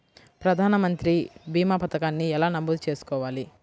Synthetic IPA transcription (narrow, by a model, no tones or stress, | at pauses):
pɾɐd̪ʱaːnɐmɐnt̪ɾibʱiːmaːpɐt̪ɐkaːnːiɛlaːnɐmbud̪ut͡ʃe̞ːsu̥kɔːʋaːli